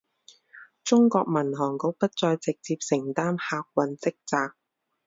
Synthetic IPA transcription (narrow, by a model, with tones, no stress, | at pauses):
t͡sʊ˥ŋkɔː˧k̚mɐ˨˩nɦɔː˨˩ŋko˨˧˥w̚pɐ˥t̚t͡sɔː˧jt͡sɪ˨k̚t͡siː˧p̚sɪ˨˩ŋt̪aː˥nhaː˧k̚wɐ˨nt͡sɪ˥k̚t͡saː˧k̚